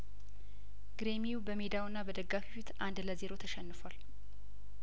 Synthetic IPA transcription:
ɡ̥ɾe̞mijubəmed̪awɨnːabəd̪əɡːafiwit̪and̪ləze̞ɾo̞t̪ʰəʃɛnːɨfal

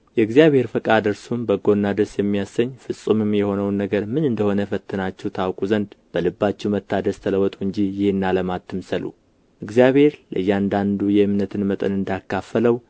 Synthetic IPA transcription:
jɛɨɡzijaβhe̞ɾfəkʼad̪ɨɾsumbəɡo̞nːad̪əsjɛmːijasːəɲːfɨsʼumɨmjɛho̞nəwnːəɡəɾmɨnɨnd̪əho̞nəfət̪ʰːɨnat͡ʃːɛwt̪ʰawkʼuzənd̪b̥əlɨbːat͡ʃːɛwmət̪ʰːad̪əst̪ʰələwɔt̪ʼuɨɲd͡ʒijɪhɨnːaləmat̪ːɨmsəlṵ | ʔɨɡzijaβhe̞ɾlə̰jːand̪and̪ujɛɨmnət̪ʰɨnmət̪ʼə̰nɨnd̪akːafələw

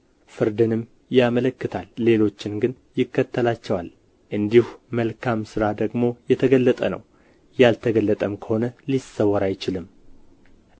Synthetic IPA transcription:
fɨɾd̪ɨnɨm | jamələkːɨt̪ʰalːe̞lo̞t͡ʃːɪnɡɨn | jɪkːət̪ʰːəlat͡ʃːɛwal | ʔɨnd̪ihuməlkʰamsɨɾad̪əɡmo̞jɛt̪ʰəɡəlːət̪ʼə̰nə̰w | jalt̪ʰəɡəlːət̪ʼəmkʰə̥ho̞nəlisːəwəɾajt͡ʃɪlɨm

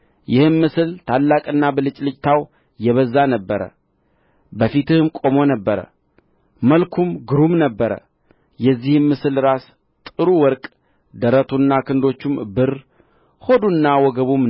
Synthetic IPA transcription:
jɪhɨmːɨsɨlt̪ʰalːakʼɨnːabəlɨt͡ʃʼlɨt͡ʃʼt̪ʰaw | jɛβəzːanəbːəɾə̰ | bəfit̪ʰɨhɨmkʼo̞mo̞nəbːəɾə̰ | məlkʰumɡɨɾumnəbːəɾə̰ | jɛzːihɨmːɨsɨlɾas | t̪ʼɨɾuwɔɾkʼ | d̪əɾət̪ʰunːakɨnd̪o̞t͡ʃːumbɨr | ho̞d̪unːawɔɡəβum

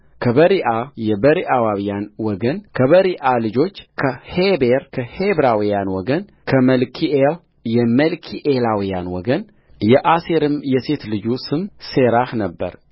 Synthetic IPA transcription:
kʰəβəɾiʔajɛbəɾiʔawaβijanwɔɡənkʰəβəɾiʔalɨd͡ʒo̞t͡ʃːkʰəhebeɾkʰəhebɾawijanwɔɡən | kʰəməlkʰiʔel | jɛməlkʰiʔelawijanwɔɡən | jɛʔaseɾɨmjɛse̞t̪lɨd͡ʒusɨmseɾahnəbːə̰ɾ

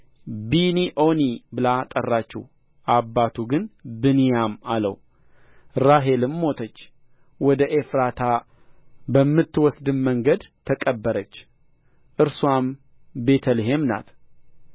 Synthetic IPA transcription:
biniʔo̞nibɨlat̪ʼərːat͡ʃːɪ̰h | ʔabːat̪ʰuɡɨnbɨnijamalə̰w | ɾaɦe̞lɨmːo̞t̪ʰət͡ʃː | wɔd̪əʔefɾat̪ʰa | bəmːɨt̪ːwɔsd̪ɨnməŋɡəd̪t̪ʰːəkʼəbːəɾət͡ʃː | ʔɨɾswam | be̞t̪ʰəlɦe̞mna̰t̪

